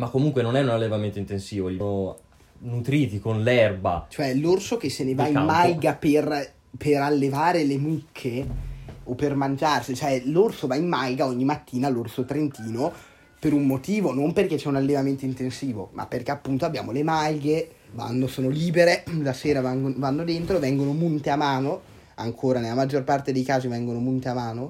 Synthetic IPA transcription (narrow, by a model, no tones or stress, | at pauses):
makːomuŋkwenonɛunalːevament̪oint̪ensiːvolno | nut̪ɾiːt̪ikonlɛrba̰t͡ʃoɛlorsok̟esːenevaimmajɡaper | peɾalːevaːɾelemukʰːe | opːermand͡ʒarsit͡ʃoɛlorsovaimːajɡaɔɲːimat̪ːiːnalorsot̪ɾent̪iːno | peɾummot̪iːvonomperket͡ʃːɛunalːevament̪oint̪ensiːvo̰ma̰pːerk̟eapːunt̪oabːja̰ːmolemajɡe | va̰nːosoːnoliːbeɾelaseːɾavɡovanːod̪ent̪ɾovɛŋɡonomunt̪eamaːno | aŋkʰoːɾanelamad͡ʒːorpart̪ed̪ejkaːzivɛŋɡonomunt̪eamaːno